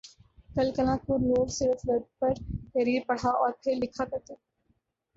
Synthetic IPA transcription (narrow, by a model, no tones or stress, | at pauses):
kɐlkɐlãːkoloːɽsɪɾət̪ʰɾɐd̪̚pɐɾkəɾiːɾpɐɽ̤aɔːɾpʰɪɾlɪkʰakɐt̪e